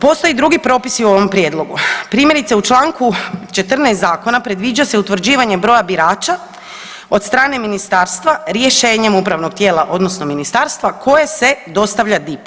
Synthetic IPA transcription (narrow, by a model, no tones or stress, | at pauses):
po̞st̪o̞jed̪ɾuɡipɾo̞ːpisiuo̞ʋo̞mpɾje̞ːd̪lˠo̞ɡupɾiːmje̞ɾit̪se̞ut͡ʃlˠaːŋkut͡ʃe̞t̪r̩neːst̪zaːko̞napɾe̞d̪ʋiːd͡ʑaseut̪ʋr̩d͡ʑiːʋaɲe̞bɾo̞jabiɾaːt͡ʃa | o̞t̪st̪ɾaːne̞minist̪aːɾst̪ʋaɾjeʃe̞ːɲe̞mupɾaʋno̞ɡ̚t̪jeːlˠaʔo̞d̪no̞sno̞minist̪aːɾst̪ʋakʰo̞jese̞d̪o̞st̪aʋʎad̪ip